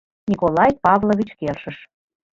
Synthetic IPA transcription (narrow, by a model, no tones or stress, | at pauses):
nʲikolɑjpɑvloβʲit͡ɕkelʃəʃ